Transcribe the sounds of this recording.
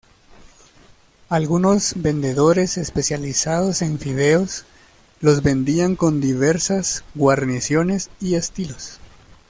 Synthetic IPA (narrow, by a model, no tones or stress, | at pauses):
alɣuno̞zbe̞nd̪e̞ðo̞ɾe̞se̞spe̞sjalisað̞o̞se̞ɱfiðeos | lo̞zβe̞nd̪iaŋkond̪iβe̞ɾsazɡwaɾnisjo̞ne̞sie̞st̪ilo̞s